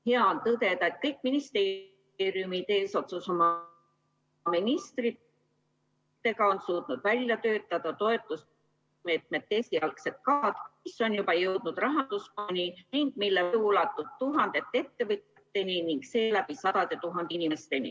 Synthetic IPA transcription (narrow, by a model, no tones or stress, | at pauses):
he̞ɑont̪ɤd̪e̞d̪ɑet̪̚kɤjkˑːminist̪e̞ː | ɾijumit̪e̞ːso̞t̪suso̞mɑ | minist̪ri | t̪ːe̞ɡɑo̞nsuːt̪nud̪̥vælʲjɑt̪ø̞ːt̪ˑːɑd̪̥ɑt̪o̞e̞t̪ːˑus | me̞ːt̪̚me̞t̪ːesiɑlkse̞t̪̚kɑːd̪̥miso̞njubɑjɤwd̪̥nud̪̥rɑɦɑnd̪̥usponʲiniŋɡ̥milːeuːlɑt̪ːˑud̪̥̚t̪uɦɑnd̪̥e̞t̪ːe̞t̪ːe̞vɯt̪ɑt̪ːe̞niniŋɡ̥se̞ːlæb̥isɑd̪̥ɑd̪e̞t̪uɦɑnd̪einimest̪e̞nḭ